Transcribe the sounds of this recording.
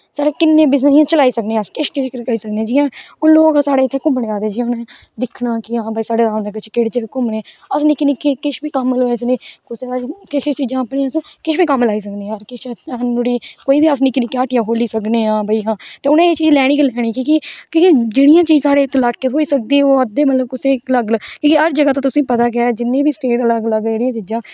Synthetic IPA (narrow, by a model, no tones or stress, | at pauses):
saːɽeːkɪnːẽːbɪs̬ĩãːt͡ʃəlaːiːsəknẽːskɪʃkɪʃkkəiːsəkneːãːd͡ʒɪãːʊloːksaːɽeːɪt̪ʰːeːkʊ̃mbɽeːaːd̪eːd͡ʒɪãːʊnẽː | d̪ɪkʰɳaːkɪãːbəiːsaːɖeːɾaːʋneːkɪt͡ʃʰkeɽt͡ʃekʊmɳe | əsnĩːkɪnẽkikɪʃbiːkəmloes̬neːkosɾat̪ʰːɪʃt͡ʃiːd͡ʒãːpɽĩːskɪʃbiːkəmlaːiːs̬əkneːaɾkɪʃt͡ʃanʊɽiːkoːiːbiːəs̬nĩːkɪniːkaːʈjãːɦoːliːsəkneːãːbəiːɦãːt̪eːʊnẽːeːt͡ʃiːd͡ʒlɛːɽĩːkːlɛːɽ̃iːkiːkikikid͡ʒɪːɽijãːt͡ʃiːd͡ʒsaːɽeːt̪laːkːeːt̪ɦoːiːsək̚d̪iːɛoːəd̪eːmət̪ləb̚kʊseːləɡlkĩːkiɦəɾd͡ʒəɡaːt̪ãːt̪ʊsĩːpət̪aːkɪɛːd͡ʒɪnːẽːbiːsʈeːʈləɡləɡeːɽijãːt͡ʃiːd͡ʒãː